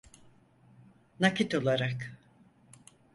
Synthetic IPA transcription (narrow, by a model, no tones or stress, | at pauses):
nacit̪o̞lˠaɾak